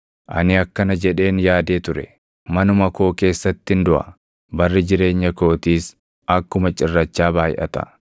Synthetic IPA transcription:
ʔɐ̰nɪɐkːɐnɐd͡ʒɛᶑe̞ːnjaːd̪e̞ːt̪ʊɾɛ̰ | mɐnʊmɐko̞ːke̞ːsːɐt̪ːɪnd̪ʊʔɐ̰ | bɐrːɪd͡ʒɪɾe̞ːɲːɐko̞ːt̪iːs | ɐkːʊmɐt͡ʃʼɪrːɐt͡ʃːaːbaːjɪ̰ʔɐ̰t̪ɐ̰

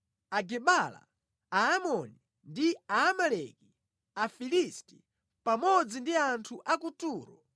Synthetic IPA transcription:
aɡɛɓala̰ | aːmɔni | ndiaːmalɛki | afilisti̥ | pamɔd͡zindiantʰuʔakutuːɾɔ

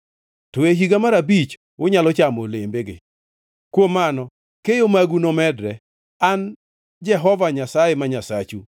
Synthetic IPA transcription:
tɔeɦiɡamaɾabit͡ʃ | wʊɲalɔt͡ʃamolembeɡɪ̰ | kwomanɔ | kejomaɡunomɛdɾɛ | an | d͡ʒɛɦɔvaɲasajemaɲasat͡ʃu

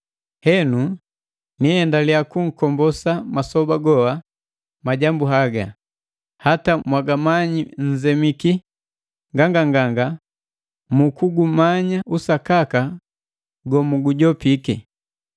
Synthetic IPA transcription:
hɛnu | nihɛndaliakuŋ̩kɔmbɔsamasɔbaɡɔwa | maɟambuɦaɡa | hatamwaɡamaɲiɲ̩zɛmiki | ŋɡaŋɡaŋɡaŋɡa | mukuɡumaɲausakaka | ɡɔmuɡuɟɔpikɛ

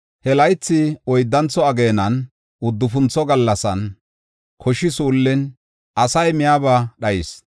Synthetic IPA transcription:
hɛlɐjt͡sːɪɔjd̪ːɐnt͡sɔɐɡeːnɐn | ʊd̪ːʊfʊnt͡sːɔɡɐlːɐsɐn | kʰɔʃɪsuːlːɪn | ʔɐsɐjmɪjaːbɐɗɐjɪs

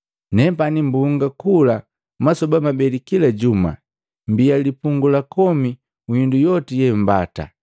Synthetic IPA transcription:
nɛpanimbuŋɡakula | masɔbamabɛlikilaɟuma̰ | mbialipuŋɡulakɔmi | ujindujɔtijɛmbata̰

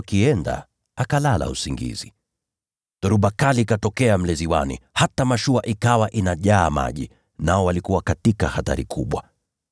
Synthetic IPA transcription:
kiɛnda̰ | akalala̰usiŋɡḭzi | tɔɾuɓakalikatɔkɛam̩lɛziwanḭhatamaʃuaʔikawaʔinaʄaːma̰ʄi | naɔwalikuwakatikahata̰ɾikʰuɓwa

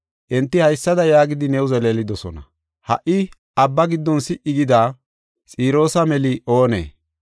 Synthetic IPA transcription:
ʔɛnt̪ːɪhɐjsːɐd̪ɐjaːɡɪd̪ɪnɛwʊzɛleːlɪd̪ɔsɔnɐ̰ | hɐ̰ʔɪ | ʔɐbːɐɡɪd̪ːɔnsɪʔːɪɡɪd̪aː | t͡sʼiːɾo̞ːsɐmɛlɪʔo̞ːnḛː

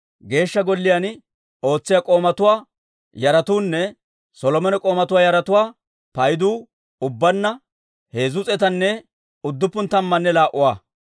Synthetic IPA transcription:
ɡe̞ːʃːɐɡɔlːɪjɐn | o̞ːt͡sːɪjakʼo̞ːmɐt̪ʊwaː | jɐɾɐt̪uːnːɛ | sɔlɔmɔnɛkʼo̞ːmɐt̪ʊwaːjɐɾɐt̪ʊwaː | pɐjd̪uː | ʊbːɐnːɐ | heːzʊt͡sʼɛt̪ɐnːɛ | ʊd̪ːʊpːʊnt̪ɐmːɐnːɛlaːʔʊwaː

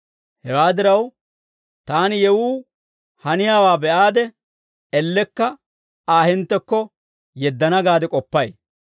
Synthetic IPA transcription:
hɛwaːd̪ɪɾɐw | t̪aːnɪjɛwuː | hɐnɪjaːwaːbɛʔaːd̪ɛ | ɛlːɛkːɐ | aːɦɪnt̪ːɛkːɔ | jɛd̪ːɐnɐɡaːd̪ɛkʼɔpːɐj

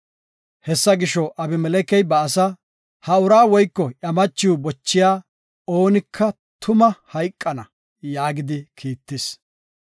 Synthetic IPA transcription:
hɛsːɐɡɪʃɔʔɐbɪmɛlɛkɛjbɐːsɐ | hɐʊɾaːwɔjkːɔʔɐmɐt͡ʃːɪwʊbɔt͡ʃːɪjaː | o̞ːnɪkʰːɐ | t̪ʰʊmɐhɐjkʼːɐnɐ | jaːɡɪd̪ɪkʰiːt̪ːɪs

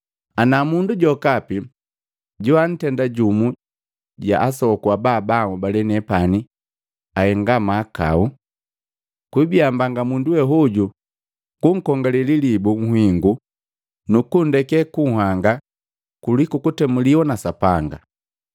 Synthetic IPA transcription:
anamunduɟɔkapi | ɟuan̩tɛndaɟumu | ɟa̰ʔasɔkuabaːbamubalɛnɛpani | ahɛŋɡamaːka̰u | kwibiambaŋɡamunduwɛɦuɟu | kuŋ̩kɔŋɡalililibuŋ̩hwiŋɡu | nukundɛkɛkuŋɦaŋɡa | kulikukutɛmuliwɔnasapaŋɡa

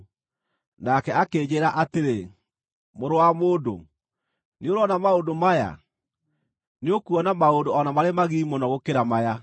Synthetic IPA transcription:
nakɛakeːd͡ʑeɾaʔateɾe | moɾowamoːdo̰ | neoɾɔnamaodomaja̰ | neokuɔnamaodoɔnamaɾemaɣiːmonɔɣokeɾamaja

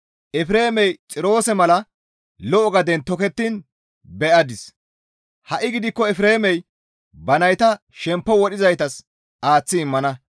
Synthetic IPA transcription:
ʔɛfɪɾe̞ːmɛjt͡sʼɪɾo̞ːsɛmɐlɐ | lɔʔɔɡɐd̪ɛnt̪ɔkɛt̪ːin | bɛʔɐd̪ɪs | hɐʔɪɡɪd̪ɪkːɔɛfɾe̞ːmɛj | bɐnɐjt̪ɐ | ʃɛmpːɔwɔɗɪzɐjt̪ɐs | ʔaːt͡sːɪːmːɐnɐ

